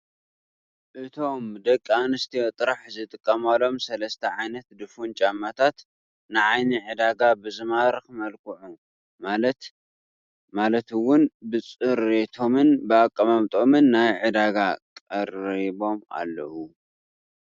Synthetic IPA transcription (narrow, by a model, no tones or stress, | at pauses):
ʔɨt̪ʰo̞md̪ɐkʼːanɨst̪ʰiot̪ʼɨɾaħzɨt̪ʼɨkʼːɐmalo̞msɐlɐst̪ʰɐʕajnɐt̪d̪ɨfunt͡ʃʼamːat̪ʰat̪ | nɨʕajniʕɨd̪aɡabɨzɨmaɾɨxmɐlkʰɨʕu | malɐt̪ | malɐt̪wʊnbɨt͡sʼɨɾet̪ʰo̞mɨnbɨakʼːɐmamt̪ʼomɨnːajʕɨd̪aɡakʼɐɾibo̞ma̰lːɐ̰ʔu